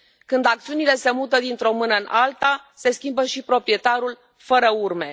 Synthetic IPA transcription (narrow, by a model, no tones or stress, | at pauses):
kɨnd̪ak̚t̪siunile̞se̞mut̪əd̪int̪ɾo̞mɨnəɨnʔalt̪ase̞skʲimbəʃipɾo̞pɾije̞t̪aɾul | fəɾəurme̞